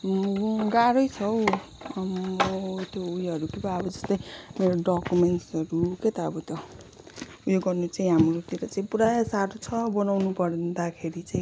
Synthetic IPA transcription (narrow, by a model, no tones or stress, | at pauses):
ɡaɾʌjt͡sʰʌw | t̪joujɦʌɾukebaʌbʌd͡zʌst̪ʌjmeɾoɖʌkumenʈsʌɾuket̪aʌbʌt̪jo | ujoɡʌrnut͡saĩɦamɾot̪iɾʌt͡saĩpuɾajsaɾut͡sʰʌbʌnawnupʌɾnd̪akʰeɾit͡saĩ